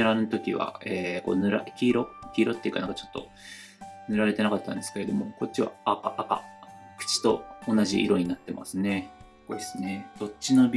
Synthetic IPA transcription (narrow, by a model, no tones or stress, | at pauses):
ɯɾanɯt̪o̞kʲiβa̰eːko̞̰nɯ̟ɾa̰kʲiːɾo̞kʲiːɾo̞t̪ːeiɯ̟kanãŋkḁt͡ɕo̞̥t̪ːo̞̰ | nɯ̟ɾaɾe̞t̪e̞nakat̪ːã̰nd̪e̞sɨ̥ke̞ɾe̞d̪o̞mo̞ko̞t̚t͡ɕːiβa̰ːkaʔːka̰ | kɯ̟̥t͡ɕi̥t̪o̞onaʑiʔḭɾo̞ɲ̟inat̪ːema̰sɨne̞ | kod̪esɨne̞d̪̥o̞t͡ɕːino̞bʲ